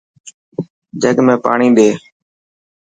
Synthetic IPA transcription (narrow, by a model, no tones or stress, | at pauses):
d͡ʒəɡmẽːpa̰ːɳiːɗeː